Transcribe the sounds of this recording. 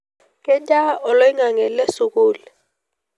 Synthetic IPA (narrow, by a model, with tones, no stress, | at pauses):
kɛ˦nd͡ʒʼa˦ɔ˨lɔ˦i˦ŋa˨ŋɛ˨lɛ˦su˨kuː˨lɛ